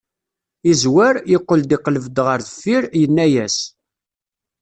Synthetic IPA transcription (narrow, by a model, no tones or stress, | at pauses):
izwæɾjəqːəld̪iqləvd̪ʁəɾθəfːiɾjənːæjæs